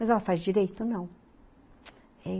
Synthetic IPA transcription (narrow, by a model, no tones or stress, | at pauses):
mɐzɛlɐfazd͡ʒiɾejt̪ʊnɐ̃w̃ | ɛ